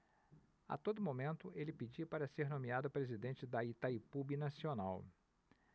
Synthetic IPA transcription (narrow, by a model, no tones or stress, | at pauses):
a̰t̪od̪ʊmomẽnt̪ʊʔelɪpid͡ʒipaɾɐseɾnõmiad̪ʊpɾezid̪ẽnt͡ʃɪd̪ɐit̪aipubinasionaw